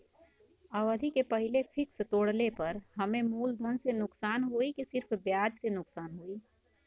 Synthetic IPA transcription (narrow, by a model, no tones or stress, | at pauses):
əʋəd̪ʱikepɐɦɪlefʰɪkst̪oːɽlepɐɾɦɐmẽmuːld̪ʱoːnsenʊksaːnɦuikisɪɾpʰbjaːd͡ʒsenʊksaːnɦuiː